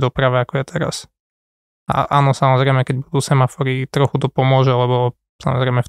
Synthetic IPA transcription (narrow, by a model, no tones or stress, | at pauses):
d̪ɔpɾaʋɛakɔjɛt̪ʰɛɾa̰s | a̰ʔa̰ːnɔsamɔzɾɛɪmɛkɛɟ̚bud̪uːsɛmafɔɾit̪ɾɔxut̪ɔpɔmʊɔʒɛlɛβɔ | sa̰mɔzɾɛɪmɛf